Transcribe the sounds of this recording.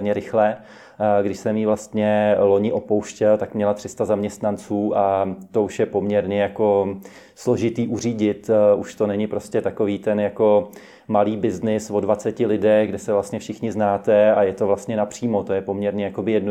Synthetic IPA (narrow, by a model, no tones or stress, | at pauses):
ɲɛɾɪxlɛ | ɡdɪʃsɛmjivlast̪ɲɛlo̞ɲɪʔopowʃcɛlt̪akmɲɛlat̪r̥ɪst̪azamɲɛst̪nant͡suːʔat̪o̞uʃjɛpo̞mɲɛɾɲɛjako̞ | slo̞ʒɪt̪iːʔuriːɟɪt̪uʃt̪o̞nɛɲɪpɾo̞scɛt̪ako̞viːt̪ɛnjako̞ | maliːbɪznɪsvo̞dvat͡sɛcɪlɪdɛɣɡdɛsɛvlast̪ɲɛfʃɪxɲɪznaːt̪ɛajɛt̪o̞vlast̪ɲɛnapr̥iːmo̞t̪o̞jɛpo̞mɲɛɾɲɛjako̞bɪjɛdno